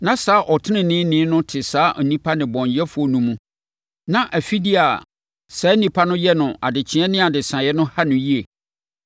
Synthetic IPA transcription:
nã˦saː˨˦ʔɔ˨tʰɪ˦nɪ̃˨nɪ̃˦nɪ̃˨˦nʊ̃˦tʰɪ˨saː˨˦ʔnĩ˦pʰa˦nɪ̃˨bɔ̃˨ɲjɛ˦fʊ˨˦ɔ˨nũ˦mũ˦ | nã˦ʔæ˨fi˦di˦a˨ | sɛ˨˦nĩ˦pʰa˦nʊ̃˦jɛ˦nʊ̃˨a̰˨dɪ˨t͡ɕʰɪ˨˦ɛ̃˦nɪ̃˦a˨dɪ˨sã˨jɛ˦nʊ̃˦ha˦nʊ̃˨ji˦e˨

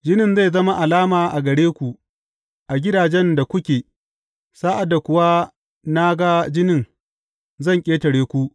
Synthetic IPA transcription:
d͡ʒɪ˦nɪ˦nza˦˨jzɐ˦ma˦ʔa˨laː˦maː˨ʔa˨ɡɐ˨ɽeː˦kʷu˨ʔ | ʔa˨ɡʲɪ˦daː˨d͡ʒɛ˦nda˨kʷʊ˦kʲeː˨ | saː˦ʔa˨dːa˨kʷʊ˦wa˦ | na˦ɡa˦d͡ʒɪ˦nɪ˦ŋ | zɐ˦˨ŋkʲʼeː˦tɐ˨ɽeː˦kʷu˦ʔ

